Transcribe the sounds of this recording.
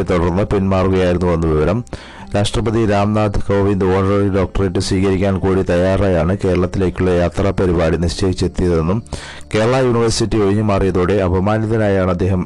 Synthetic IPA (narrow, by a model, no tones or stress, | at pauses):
et̪oɽɐrnːɐpinmaːruɣɐjaːjiɾunːuʋɐnːuʋiʋɐɾɐm | ɾaːʂʈrɐbɐðiɾaːmnaːd̪ʱkɐːʋind̪o̞ːnɐrɐriɖo̞ːk̚ʈɐreʈːɨswiːkɐɾikʲːaːnkuːɽit̪ɐjaːraːjaːɳɨke̞ːɾɐɭɐt̪ːile̞ːkʲːuɭːɐjaːt̪rapɐɾibaːɽiniʂt͡ɕeɦit͡ɕːe̞t̪ːijɐðe̞nːum | ke̞ːɾɐɭɐjuːniʋɐrsitːioʋiɲːumaːrijɐðoːɽe̞ɐbɐmaːnjɐðɐnaːjaːɳɐd̪ːe̞ːɦɐm